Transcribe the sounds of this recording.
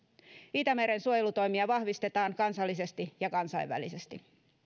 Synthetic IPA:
it̪æmeɾensuojelut̪o̞jmiɑʋɑhʋist̪e̞t̪ɑːŋkɑnsɑlːise̞st̪ijɑkɑnsɑiʋːæ̰lisest̪i

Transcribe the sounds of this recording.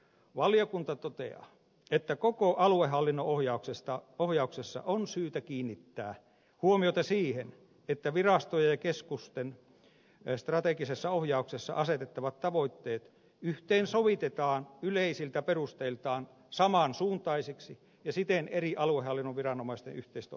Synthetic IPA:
ʋɑliokunt̪ɑt̪ot̪ḛɑ̰ | et̪ːækokoʔɑluehɦɑlːinːoohjɑuksest̪ɑohjɑuksesːɑ̰ʔonsyːt̪ækiːnːit̪ːæː | huomiot̪ɑsiːhen | et̪ːæʋirɑst̪ojɑjɑkeskust̪en | st̪rɑt̪ekisesːɑohjɑuksesːɑ̰ʔɑset̪et̪ːɑʋɑt̪tɑʋoit̪ːeːt̪ | yht̪eːnsoʋit̪et̪ɑːnyleisilt̪æperust̪elt̪ɑːn | sɑmɑnsuːnt̪ˑɑisiksi | jɑsit̪eneriʔɑluehɑlːinːoʋʋirɑnomɑist̪ḛnʔyht̪eist̪

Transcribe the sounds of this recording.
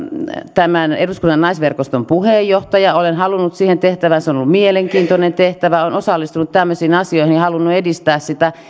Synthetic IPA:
t̪æmæneduskunːɑnnɑisʋerkost̪ompuheːjːoht̪ɑjɑolenhɑlunːut̪siːhent̪eht̪æʋænseonolːumieleŋkiːnt̪onent̪eht̪æʋæonosɑlːist̪unut̪t̪æmːøsiːnɑsioihinihɑlunːuedist̪æːssit̪æ

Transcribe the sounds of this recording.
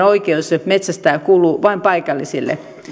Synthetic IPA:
oikeusmet̪sæst̪æːkuːluːʋɑimpɑikɑlːisilːḛ

